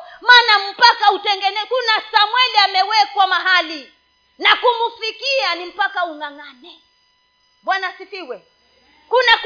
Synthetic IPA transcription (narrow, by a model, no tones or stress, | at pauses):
maːnam̩pakautɛŋɡɛnɛkunasamwɛliamɛwɛkwamaɦali | nakumufikianim̩pakauŋaŋanɛ | ɓwanasifiwɛ | kunak